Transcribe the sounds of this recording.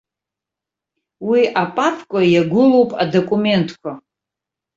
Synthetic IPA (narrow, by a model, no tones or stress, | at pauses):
wiapʼapʰkʷʼajaɡʷʊlo̞wpʼa̰dokʼume̞ntʼʰkʷʰa